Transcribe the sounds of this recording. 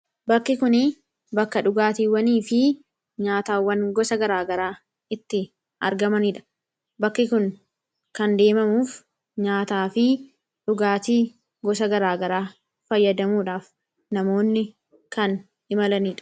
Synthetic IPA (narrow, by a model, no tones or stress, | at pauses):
bɐkːɪkʊnɪ | bɐkːɐᶑʊɡaːt̪iːwɐniːfɪ | ɲaːt̪aːwːɐnɡɔsɐɡɐɾaːɡɐɾaː | ɪt̪ːɪ | ɐ̰ɾɡɐmɐniːᶑɐ̥ | bɐkːɪkʊn | kɐnd̪e̞ːmɐmuːf | ɲaːt̪aːfɪ | ᶑʊɡaːt̪iː | ɡɔsɐɡɐɾaːɡɐɾaː | fɐjːɐd̪ɐmuːᶑaːf | nɐmo̞ːnːɪ | kɐn | ɪmɐlɐniːᶑɐ̥